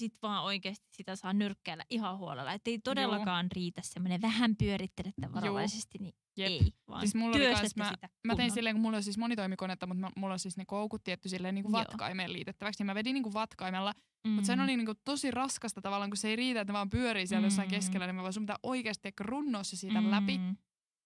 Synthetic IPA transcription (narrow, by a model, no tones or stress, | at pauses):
sit̪ʋɑːoikeːst̪i̥ssit̪æsɑːnyrkːæːlːæ̰ʔihɑhuo̰lḛlːɑ̰et̪ːeit̪odelːɑkɑːnriːt̪æssemːoneʋæhæmpyøɾit̪ːelet̪ːæ̰ʋjuːsest̪ini | jeʋɑ̰ːsismulːolikɑɑnsmmæt̪æmæt̪einsilːeːŋkumulːolsiːsmonit̪oimikonet̪ːɑmut̪mmulːolsisnekoukut̪t̪ːiɛt̪ːysilːeːniːŋkuʋʋɑtkɑ̰imeːlḭːt̪et̪ːæʋæksnimæʋediniːŋkuʋʋɑt̪kɑimelːɑ | mut̪senoliniːŋkut̪osirɑskɑst̪ɑt̪ɑʋɑlːˑɑːŋkuseiriːt̪æet̪meʋɑːmpyøɾiːnsiæljosːɑiŋkeskelːænimæɑsumːt̪æʔoikeːst̪ekːærunːoːsːɑsiːt̪ælæpi